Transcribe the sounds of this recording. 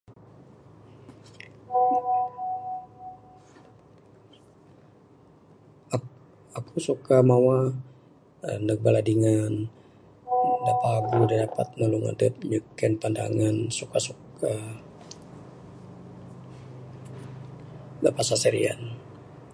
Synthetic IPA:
akusukamawa | nək̚baladiŋan | dapaɡudandapat̪̚məluŋa̰dət̪̚ɲəkɛnpanda̰ŋansukasuk | a | bapasasɛɾḭa̰n

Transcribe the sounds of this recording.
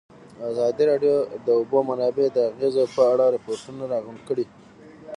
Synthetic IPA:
azɑd̪iɾɑɖjod̪əʊbomanɑbed̪əaɣezopəaɽaɾɪpoɾʈunaɾɑɣuɳɖ̪kəɽi

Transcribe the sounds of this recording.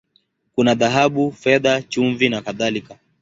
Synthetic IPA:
kunaðaɦaɓufɛðat͡ʃuɱvinakaðalika

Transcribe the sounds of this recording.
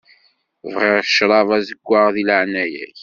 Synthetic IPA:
vʁɪɾˤʃɾˤɑvæzəɡʷːaʁðilʕnæjæ̰ç

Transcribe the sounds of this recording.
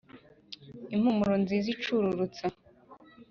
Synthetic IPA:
imhumuɾonzizit͡ʃuɾuɾut͡sa

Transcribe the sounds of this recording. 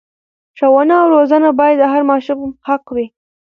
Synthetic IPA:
ʃawanaːwɾozanabɑjad̪əɦaɾmɑʃʊmhaqwi

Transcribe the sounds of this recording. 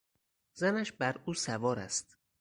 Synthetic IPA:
zænæʃbæɾuːsævɒːɾæ̰st̪

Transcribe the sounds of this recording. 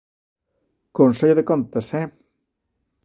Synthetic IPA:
konseʎðekont̪ɐsɛ

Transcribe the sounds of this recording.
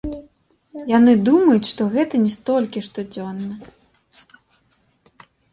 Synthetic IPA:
janɨd̪umɐjut͡sʲʂt̪ɔɣɛt̪ɐnʲɛst̪ɔlʲkʲiʂt̪ɔd͡zʲɔnːɐ

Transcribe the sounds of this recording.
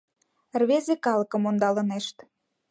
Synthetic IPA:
rβezekɑlɤ̆kə̆mond̪ɑlə̆neʃt̪

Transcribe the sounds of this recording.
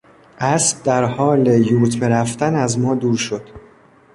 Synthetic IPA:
ʔæsb̚d̪æɾhɒːlejuːɾt̪ʰmeɾæft̪ænæzmɒːd̪uːɾʃod̪̥

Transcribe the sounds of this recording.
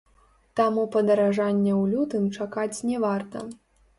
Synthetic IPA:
t̪amupɐd̪ɐɾaʐanʲːɛwlʲut̪ɨmt͡ʂakat͡sʲnʲɛvart̪ɐ

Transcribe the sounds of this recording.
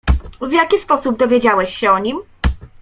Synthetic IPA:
vjakʲispɔsub̚d̪ɔvʲjed͡ʑawɛɕɕɛɔɲim

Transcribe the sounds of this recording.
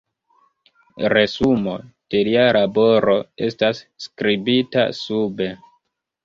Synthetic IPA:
ɾe̞sumo̞d̥e̞lialʔabo̞ɾo̞e̞̰stasːkɾibita̰sube̞

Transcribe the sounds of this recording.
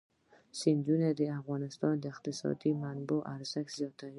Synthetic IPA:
sind͡ʒ̪uned̪ɪafɣɔnɪst̪ɔnd̪ɪqt̪ɪsɔ̰d̪imanboʔaɾsakz̥ijɔt̪ʰːaɾ

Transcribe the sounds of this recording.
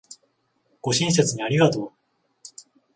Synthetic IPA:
ɡ̥o̞ɕĩɰ̃s̬et͡sɨɲ̟iaɾʲiɡat̪o̞ː

